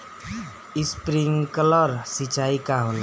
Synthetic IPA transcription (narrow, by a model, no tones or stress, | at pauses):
ispɾiŋɡkələɾsit͡ʃaikaɦon